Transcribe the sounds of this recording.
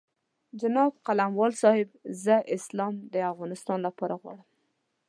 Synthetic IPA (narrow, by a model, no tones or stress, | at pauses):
d͡ʒanɑb̚qalamwɑlsɑhɪbzəʔɪslɑmd̪əafɣɑnɪst̪ɑnlapɑɾaɣwɑ̰ɽəm